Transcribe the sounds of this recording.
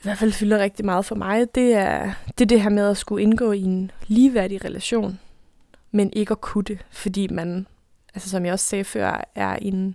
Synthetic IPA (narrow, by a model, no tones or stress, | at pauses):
iʋæɐ̥fæl̰fylɐʁɛɡ̥̚d̥imɑ̈ːð̞̩ˠfɒ̽mʔɑ̈ɪd̥e̝æɐd̥e̝d̥e̝ɦæɐ̰með̞ˠæsɡ̥uenɡ̥ɔ̰̽ːienliːʋæɐɾ̥iʁɛlʔæɕo̝̰ːn | menʔe̝ɡ̥əɒ̽kʰud̥əfɒ̽d̥ḭːmæn | ʔælsəsɒ̽mjɑ̈ɪɒ̽ssɛːfɶ̰ɐ̰æɐ̰e̝n